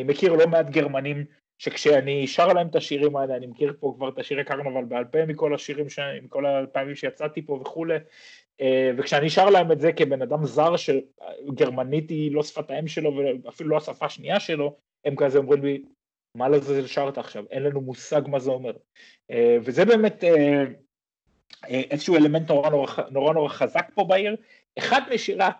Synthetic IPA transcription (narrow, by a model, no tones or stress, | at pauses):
nimekiʁlo̞meat̪ɡe̞ʁmanim | ʃe̞kʃeaniːʃaʁlaemt̪aʃiʁimaeleanimekiʁpo̞kvaʁet̪aʃiʁekaʁnuavalbealpemiko̞laʃiʁimʃemiko̞lapaːmimʃejat͡sat̪ipo̞veχule | eve̞kʃeaniːʃaʁlaemetzekebe̞nad̪amzaʁʃeaɡe̞ʁmanit̪ilo̞sfat̪aimʃe̞lo̞veafiluloasafaʃniaʃe̞lo̞ | emkazeo̞mʁimli | malazeʃaʁt̪aːχʃave̞nlanumusaɡmazeo̞me̞ʁ | evezebe̞ːme̞t̪e | eʔezeʃuuele̞mentno̞ʁanoʁaano̞ʁano̞ʁaχazakpo̞baiʁ | eχad̪miʃiʁa